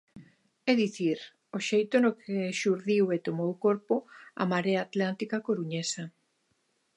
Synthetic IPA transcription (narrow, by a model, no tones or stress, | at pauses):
ɛðiθiɾ | oʃejt̪onokʰeʃuɾðiwet̪omowkoɾpoa̰maɾeaːt̪lant̪ikakoɾuɲesa